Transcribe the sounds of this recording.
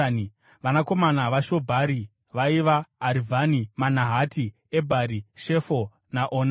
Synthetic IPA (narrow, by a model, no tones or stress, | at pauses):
ʋanako̞manaʋaʃo̞bʱaɾi | ʋaiʋaːɾivʱanimanaɦati | ebʱaɾiʃe̞fo | naʔoːna